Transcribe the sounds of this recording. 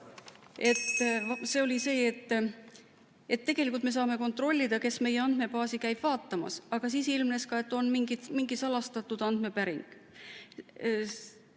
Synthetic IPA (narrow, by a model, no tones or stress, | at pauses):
e̞t̪ːse̞ːo̞lʲise̞ːet̪ː | e̞t̪ːe̞ɡ̥elikˑult̪me̞sɑːme̞ko̞nt̪ro̞lʲːid̪̥ɑke̞sme̞jeɑnd̪̥me̞pɑːsikæjb̥vɑːt̪ːˑɑmɑ̰sɑɡ̥ɑs̬iːsilmne̞skɑe̞t̪ːˑo̞nmiŋɡ̥it̪miŋɡisɑlɑst̪ɑt̪ːˑud̪̥ɑnd̪̥me̞pæɾiŋɡ̥